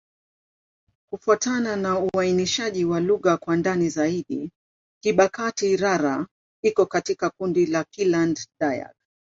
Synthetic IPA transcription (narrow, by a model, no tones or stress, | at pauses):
kufuatananauainiʃaʄiwaluɣakwandanizaiɗi | kiɓakatiɾaɾa | ikɔkatikakundilakilanddaja̰k̚